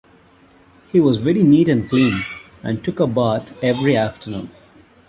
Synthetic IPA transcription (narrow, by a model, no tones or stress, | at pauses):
hiːʋɔzʋɛɾiniːʈɨ̃nklĩːn | ʔæ̰̃nʈʊkəbaːt̪ʰɛvɾiæfʈənṵ̃ːn